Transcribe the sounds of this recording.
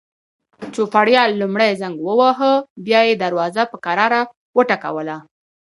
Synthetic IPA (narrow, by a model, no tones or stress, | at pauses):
t͡ʃofaɽjɑlːumɽajzaŋɡwəwaɦəbjɑjed̪aɾwɑzapəkaɾɑɾa | wəʈaka̰wəla